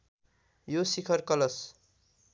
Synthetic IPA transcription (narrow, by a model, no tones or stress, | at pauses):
josikʰʌrkʌlʌs